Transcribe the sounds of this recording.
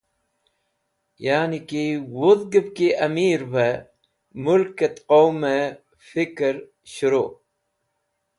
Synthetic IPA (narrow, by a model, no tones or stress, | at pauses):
jaːnikiwʊðɡəb̚kiʔɐmiːɾbe | mʊlket̪qoːme | fɪkɾ | ɕʊɾoː